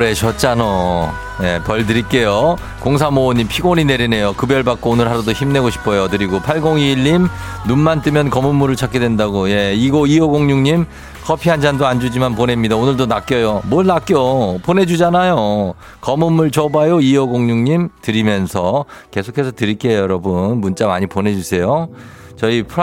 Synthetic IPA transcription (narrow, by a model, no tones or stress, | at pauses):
ɾeɕʰʌt͡ɕ͈ano | je̞pʌɭt̬ɯɾik͈e̞jo | koŋs̬ʰamooɲimpʰiɡoɲine̞ɾine̞jokɯbjʌɭbak͈̚oonɯɭɦaɾadoçimne̞ɡoɕʰi̥pʰʌjotɯɾiɡopʰaɭɡoŋiːʎːimnunmant͈ɯmjʌnkʌmumːuɾɯɭt͡ɕʰak͈edwe̞ndaɡoje̞iɡoiʌɡoŋɲuŋɲim | kʰʌpʰiɦand͡ʑandoand͡ʑud͡ʑimanpone̞mɲidaonɯɭdonak͈̚jʌjomʌɭnak͈jopone̞d͡ʑud͡ʑanajo | kʌmumːuɭt͡ɕʌbajoiʌɡoŋɲuŋɲimtɯɾimjʌnsʰʌke̞sʰokʰe̞sʰʌtɯɾik͈ejʌɾʌbɯnmunt͡ɕ͈amaɲipone̞d͡ʑusʰe̞jo | t͡ɕʌipʰ